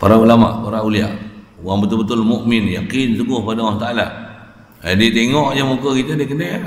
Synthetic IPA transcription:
paɾaulama̰ʔpaɾauliaʔuaŋbət̪ulbət̪ʊlmuʔmɪnjakinsuɡʊhpadawaŋt̪aalaʔ | adiət̪eŋɔʔjamukəkit̪ədikənə

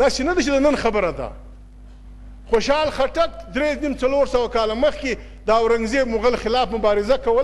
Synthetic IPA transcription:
d̪ɑsenad̪at͡ʃed̪ənənxabəɾad̪a̰ | xoʃɑlxaʈak̚d̪ɾeznimt͡saloɾsəwakɑlaməxke | d̪əawɾaŋɡzemʊɣəlxɪlɑfmʊbɑɾɪzakawəl

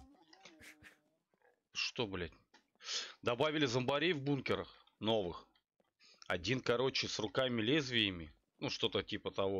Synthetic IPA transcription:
ʂt̪o̞blʲætʲ | d̪ɐbavʲɪlʲɪzəmbɐɾʲejvbunkʲɪɾəx | no̞vɨx | ɐdʲinkɐɾo̞t͡ɕɪsrʊkamʲɪlʲezvʲɪjɪmʲɪ | nuʂt̪o̞t̪ətʲipət̪ɐvo̞

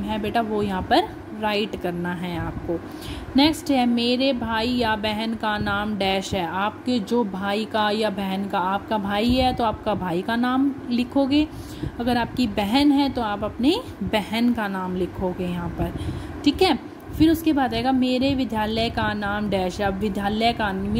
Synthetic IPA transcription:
ɦɛbeːʈʰaʋojɐɦãpɐɾ | ɾaːɪʈkɐɾnaɦɛaːp̚koː | nɛːksʈɦɛmeːɾebʱaːijabɛɦənkanaːmɖɛːʃɦɛːaːp̚ked͡ʒoːbʱaːikajabɛɦənkaaːp̚kabʱaːiɦɛt̪oaːp̚kabʱaːikanaːmlɪkʰoːɡeː | ɐɡəɾaːp̚kibɛɦənɦɛ̃t̪oaːpɐpne | bɛɦənkanaːmlɪkʰoːɡejɐɦãːpɐɾʈʰiːkɦɛː | fɪɾʊskebaːd̪ɛɦːɡameːɾeʋɪd̪ʱjaːləkanaːmɖɛːʃɦɛʋɪd̪ʱjaːləkam

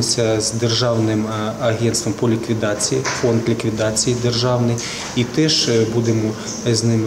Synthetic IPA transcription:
ʊsʲɐzd̪erʒɑwnɪmɐɦɛnst̪ʋɐmpɔlʲikʋʲid̪ɑt͡sʲijifond̪lʲikʋʲid̪ɑt͡sʲijid̪erʒɑwnɪj | it̪ɛʃbud̪emɔ | znɪm

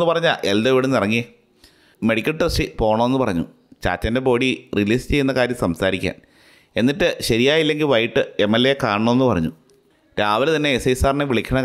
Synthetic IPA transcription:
ɨpɐrɐɲːaʔeld̪oiʋiɽenirɐŋːije | me̞ɽikʲːɐlʈrɐsʈipo̞ːɳɐmːe̞nːɨpɐrɐɲːu | t͡ɕa̰ːt͡ɕːɐnde̞po̞ːɽiriliːst͡ɕe̞jːunːɐkaːɾjɐmsɐmsaːɾikʲːa̰ːn | e̞nːiʈːɨɕɐɾijaːjilːe̞ŋɡilʋɐjʈːɨe̞mːelːeekaːɳɐɳomenːɨpɐrɐ̰ɲːu | ɾaːʋilt̪ɐnːe̞ːsɐjsaːrneʋiɭikʲʰːɐɳɐ

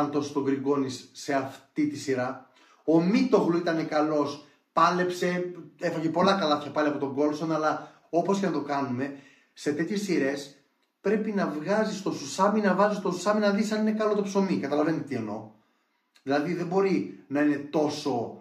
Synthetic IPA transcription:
nt̪o̞sost̪o̞ɡɾiɡo̞nisːe̞ɐft̪it̪isiɾɐ | o̞mit̪o̞ɣloit̪ɐnekɐlo̞s | pɐle̞pse̞e̞fɐʝepo̞lɐkɐlɐt̪çɐpɐliɐpo̞t̪o̞ŋɡo̞lsonɐlɐ | o̞posce̞nɐt̪o̞kɐnume̞ | se̞t̪e̞t̪çe̞sːiɾe̞s | pɾe̞pinɐvɣɐzist̪o̞susɐminɐvɐzist̪osusɐminɐðisɐnine̞kɐlo̞t̪opsomikɐt̪ɐlɐve̞nit̪t̪ieno̞̰ | ðilɐðiðe̞bo̞ɾinɐine̞t̪o̞so̞

